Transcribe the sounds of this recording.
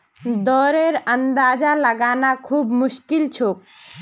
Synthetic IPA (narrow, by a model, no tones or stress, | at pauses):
d̪ɔːɾeɾənd̪aːd͡ʒaləɡanakʰuːbmʊʃkilt͡ʃʰok̚